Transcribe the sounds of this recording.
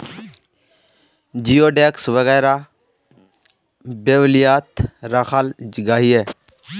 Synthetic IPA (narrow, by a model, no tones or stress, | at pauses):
d͡ʒijoːɖeksʋəɣɛːɾa | beːʋlijaːt̪ɾaxaːld͡ʒɪɡaːɦieː